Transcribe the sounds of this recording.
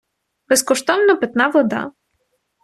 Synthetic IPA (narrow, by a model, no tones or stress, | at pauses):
b̥ɛskɔʃt̪ɔmnɔpɛt̪navɔd̪a̰